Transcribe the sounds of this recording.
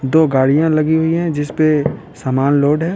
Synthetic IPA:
d̪oːɡaːɽijãlɐɡiɦʊiɦɛ̃d͡ʒɪspe | saːmaːnloːɖɦɛː

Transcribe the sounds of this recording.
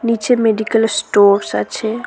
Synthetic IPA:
nit͡ʃemeɖikəlsʈoːɾsa̰t͡ʃʰe

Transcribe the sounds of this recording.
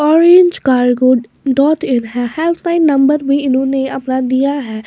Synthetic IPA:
ɔːɾẽːɲd͡ʒkaːɾɡoːɖ | ɖɔːtɪnɦɛhɛːlt̪ʰnaːɪnːə̃mbəɾbʱiɪnõneɐpnad̪ijaɦɛː

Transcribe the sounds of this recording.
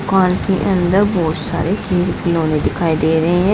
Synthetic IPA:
kaːnkiːʔə̃nd̪əɾbɔːt̪sa̰ːɾeːkʰeːlkɪlõːneːd̪ɪkʰaːiːd̪eːɾəeɦɛ̃ː

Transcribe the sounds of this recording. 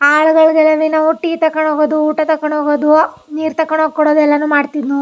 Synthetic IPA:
aːɭuɡɐɭɡɛlɐʋinɐuʈːit̪ɐkːɐɳoːɡoːd̪uːʈɐt̪ɐkːɐɳoɡoːd̪u | niːɾt̪ɐkːɐɳɦoːɡ̚kɔɽoːd̪ɛlːɐnuːmaːɖt̪id̪nu

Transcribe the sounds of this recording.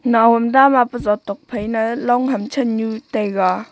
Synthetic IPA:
nawɔmdamapəzɔt̪ːɔk̚pʰəjnalɔŋɦɐmt͡ʃʰənɲut̪ɛɡa

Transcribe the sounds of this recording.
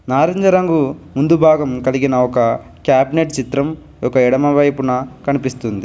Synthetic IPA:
naːɾend͡ʒɐɾɐŋɡumund̪ubʱaːɡɐmkɐliɡinɐɔkɐ | kjaːbineʈt͡ʃit̪ɾɐm | ɔkɐɛɽɐmɐʋɐjpunɐkɐnipist̪und̪i

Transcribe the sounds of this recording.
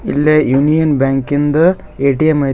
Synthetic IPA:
ilːejunijɐnbʲaːŋkind̪ɨ | eːʈijɐmɐj

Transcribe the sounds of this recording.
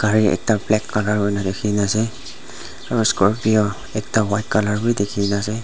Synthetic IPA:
ɡ̥ʱaɹiɛ̰k̚taplɛkːalaɹɦɔjnadekʰinasɛ | askɔɹpijɔ | ɛk̚tawajt̚kalaɹbujdekʰinasɛ

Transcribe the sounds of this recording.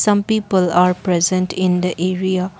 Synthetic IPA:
sãmpipəlaɾpɾezẽnʈʰĩnd̪əʔeɾia

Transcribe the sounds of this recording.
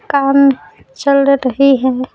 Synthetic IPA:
kaːm | t͡ʃəlɾəɦiɦɛː

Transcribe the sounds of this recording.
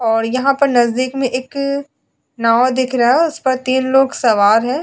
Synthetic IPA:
ɔːɾjɐɦãpɐɾnɐzd̪iːkmẽʔeːk | naːwd̪ɪkʰɾɐaɛʊspɐɾt̪iːnloːɡsɐʋaːɾɦɛ̃ː

